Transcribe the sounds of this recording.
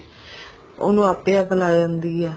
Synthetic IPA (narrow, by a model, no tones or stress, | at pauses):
o̰ːnũːaːpːeːaːkəlaːd͡ʒãːnd̪iːɛː